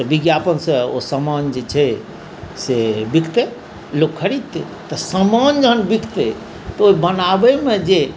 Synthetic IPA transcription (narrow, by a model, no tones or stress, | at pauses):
biɡjapənsə̃o̰səmand͡ʒet͡ʃʰɛ | sebikʰt̪ɛ | lokʰːəɾit̪ːe | t̪əsəmand͡ʒəɦənbikʰt̪ɛ | t̪ɔoibənabəmed͡ʒe